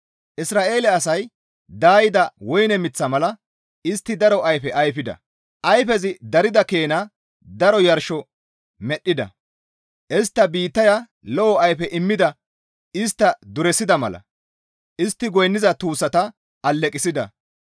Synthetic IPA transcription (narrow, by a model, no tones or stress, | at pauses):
ʔɪsɾaːʔe̞ːlɛɐsɐj | d̪aːjɪd̪ɐwɔjnɛmɪt͡sːɐmɐlɐ | ɪst̪ːɪd̪ɐɾɔʔɐjfɛʔɐjfɪd̪ɐ̰ | ʔɐjfɛzɪd̪ɐɾɪd̪ɐkeːnɐ | d̪ɐɾɔjɐɾʃɔ | mɛɗːɪd̪ɐ̰ | ʔɪst̪ːɐbiːt̪ːɐjɐ | lɔʔɔɐjfɛʔɪmːɪd̪ɐ | ɪst̪ːɐd̪ʊɾɛsɪd̪ɐmɐ̰lɐ̰ | ʔɪst̪ːɪɡɔjnːɪzɐt̪uːsːɐt̪ɐ | ɐlːɛkʼɪsɪd̪ɐ̰